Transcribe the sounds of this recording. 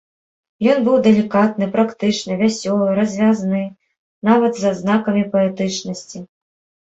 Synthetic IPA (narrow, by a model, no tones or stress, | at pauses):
jɔnbɨwd̪ɛlʲikat̪̚nɨpɾakt̪ɨt͡ʂnɨvʲasʲɔlˠɨɾɐzʲvʲaznɨ | navɐd̪zɐznakɐmʲipɐɛt̪ɨt͡ʂnɐsʲt͡sʲi